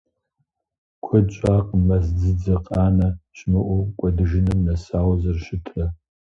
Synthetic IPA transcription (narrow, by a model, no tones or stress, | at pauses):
kʷʰʊt͡ʃʷʼaːqmɐzd͡zɨd͡zɐqʼaːnɐɕmɨʔʷʊkʷʼɔdɨʒɪnɨmnɐsaːwzɐrʃɪtʰrɐ